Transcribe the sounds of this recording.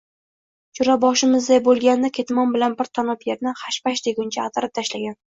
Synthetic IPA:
t͡ʃʰʊɾabɒʃɪmɪzd̪ajbolˠɡʲanːɪkʲʰe̞t̪mɒnbɪlanbɪɾt̪ʰanɒpjeɾnɪχaʃpaʃd̪eɡʲʊnt͡ʃʰaːt̪ʰaɾɪp̚t̪ʰaʃlaɡʲan

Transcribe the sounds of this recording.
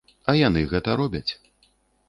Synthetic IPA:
ɐjanɨɣɛt̪ɐɾɔbʲɐt͡sʲ

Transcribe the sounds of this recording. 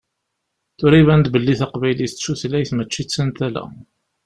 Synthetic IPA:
θʊɾivænd̪bəlːiθæqvæjliθət͡sːʃuθlæjθmət͡ʃːit͡sːənt̪ælæ̰

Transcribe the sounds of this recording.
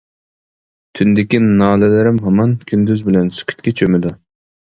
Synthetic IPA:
t̪ʰynd̪ɪkʲinɑːlɪlɪɾɪmɦɑmɑnkʲʰynd̪yzbɪlɛnsy̥kʲʰy̥t̪kʲɛt͡ʃʰømɪd̪u

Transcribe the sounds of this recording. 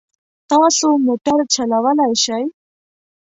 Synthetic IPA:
t̪ãsomoʈəɾt͡ɕʰəlaʋalajɕaj

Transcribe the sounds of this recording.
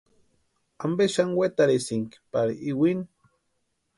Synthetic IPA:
ambeʃanwet̪aɾisiŋki̥paɾḭʔiwini

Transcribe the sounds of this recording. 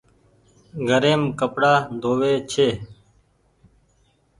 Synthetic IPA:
ɡʱəɾeːmkəpɽaːd̪ʱoːʋeːt͡ʃʰeː

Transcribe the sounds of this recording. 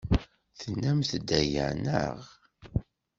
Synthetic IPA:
θənːæmθd̪ːæjə̰nə̰ʁ

